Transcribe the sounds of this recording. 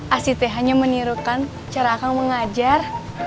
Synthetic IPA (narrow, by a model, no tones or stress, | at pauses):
ʔasit̪ɛɦaɲaməniɾukan | t͡ʃaɾakaŋməŋad͡ʒar